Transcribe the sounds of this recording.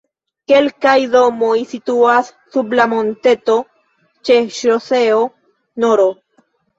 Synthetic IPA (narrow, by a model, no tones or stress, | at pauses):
ke̞lkajdo̞mojsituasːublamo̞nte̞to̞ | t͡ʃe̞ʃoseo | noɾo